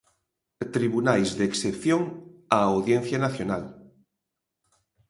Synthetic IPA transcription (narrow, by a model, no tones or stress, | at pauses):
t̪ɾiβunajzðeksepθjoŋaːwðjẽn̟θjanaθjonal